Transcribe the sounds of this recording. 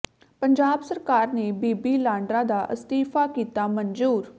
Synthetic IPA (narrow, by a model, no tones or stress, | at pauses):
pəɲd͡ʒaːbsəɾkaːɾneːbiːbiːlãːɳɖɾãːd̪aːʔəst̪iːfʰaːkiːt̪aːməɲzuːɾ